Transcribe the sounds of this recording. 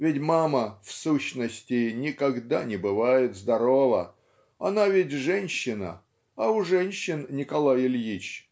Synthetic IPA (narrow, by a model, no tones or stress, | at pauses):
vʲɪtʲmaməfsuɕnəsʲtʲɪnʲɪkɐɡd̪anʲɪbɨvajɪt̪zd̪ɐɾovə̰ | ɐnavʲɪtʲʐɛnʲɕːɪnə̰ | ɐʊʐɛnʲɕːɪnnʲɪkɐlˠajɪlʲjit͡ɕ